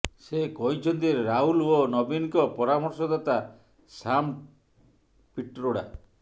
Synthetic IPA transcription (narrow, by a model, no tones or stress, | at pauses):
sekɔɦĩt͡ʃʰɔnt̪iɾɾaɦulonɔbinkɔpɔɾamɔɾsɔd̪at̪a | sam | piʈɾoɽa̰